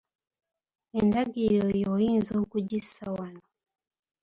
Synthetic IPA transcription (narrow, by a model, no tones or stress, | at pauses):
endaɡiɾojojiːnzo̞ːkuɟisawano